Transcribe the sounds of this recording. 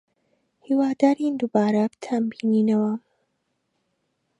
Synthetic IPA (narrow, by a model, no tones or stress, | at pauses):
hiːwaːd̪aːɾind̪uːbaːɾɐbt̪ʰambiːniːnɐwɐ